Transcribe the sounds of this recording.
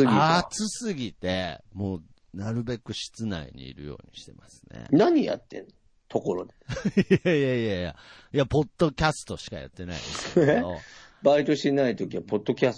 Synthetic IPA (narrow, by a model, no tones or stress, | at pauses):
ɨɡʲiat͡sɨsɨɡʲit̪e̞mo̞ː | naɾɯ̟be̞kɯ̟ɕi̥t͡sɨna̰ḭɲ̟ḭːɾɯ̟̰jo̞̰ːɲ̟iɕi̥t̪e̞masɨ̥ne̞̰naɲ̟ija̰t̪ːẽ̞̰nːo | t̪ʰo̞ko̞ɾo̞d̪eaijaijaja̰ijapo̞d̪̥ːo̞kʲasɨ̥t̪o̞ɕi̥kaja̰t̪ːe̞naḭd̪esk̪edobait̪o̞ɕi̥t̪enait̪o̞kʲiβapo̞d̪ːo̞kʲas